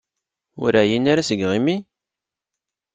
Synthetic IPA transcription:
ʊ̰ɾæjinaɾasəɡʁimi

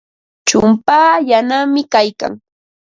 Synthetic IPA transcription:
t͡ʃʊmpaːjanamɪkajka̰ŋ

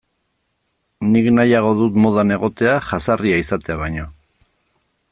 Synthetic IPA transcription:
niknajaɣ̞o̞ðut̪mo̞ð̞ane̞ɣ̞o̞t̪e̞aʝasariaisat̪eaβ̞ajɲo̞

